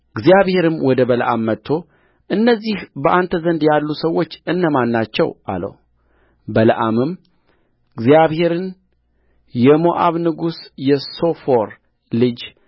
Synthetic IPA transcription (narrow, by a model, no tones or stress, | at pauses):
ɡzijaβhe̞ɾɨmwɔd̪əbələʔamːət̪ʰːo̞ | ʔɨnːəzːihbəʔant̪ʰəzənd̪jalːusəwːo̞t͡ʃːɨnːəmanːat͡ʃːɛ̰wʔa̰lə̰wu | bələʔamɨm | ɨɡzijaβhe̞ɾɨn | jɛmo̞ʔaβnɨɡusjɛso̞foɾ | lɨd͡ʒ